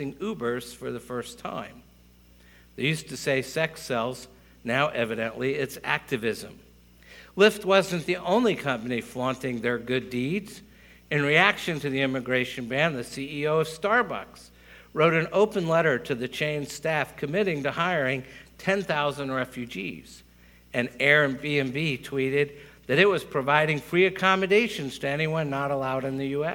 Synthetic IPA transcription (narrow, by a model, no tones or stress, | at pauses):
ɪ̃ŋʉbə˞z̥fə˞ðɨfɜ˞stʰã̰ɪ̃m | ðeɪjʉstɨseɪsɛksɛlˠz | naʊʔɛvɨɾɨ̃nʔliɪtsæ̰k̚tɨvɪzɨ̰̃m | lɪft̚wʌzɨ̃nðiʔõʊ̃nlikʰʌ̃mpɨnifɑ̃ntɪ̃ŋðə˞ɡʊdidz | ɨ̃nɹiækʃɨ̃ntʰɨðiɪ̃mɨɡɹeɪʃɨ̃nbæ̃nðɨsiioʊʌv̥stɑɹbʌ̰ks | ɹoʊɾɨ̃noʊpɨ̃nlɛɾə˞ɾɨðɨt͡ʃʰẽɪ̃nz̥stæfkʰɨmɪɾɪ̃ŋtɨhaɪə˞ɪ̃ŋtʰɛ̃nθaʊzə̃nd̚ɹɛfjʉd͡ʒḭz̥ | ɨ̃nɛɹɨ̃nbiɨ̃nbitʰw̥iɾɪd̪̚ | ðɨɾɨt̚wʌz̥pʰɹ̥ɨvaɪɾɪ̃ŋfɹiɨkʰɑmɨdeɪʃɨ̃nz̥tʰɨɛñiwʌ̃nːəɾəlaʊɾɨ̃nðɨjʉɛ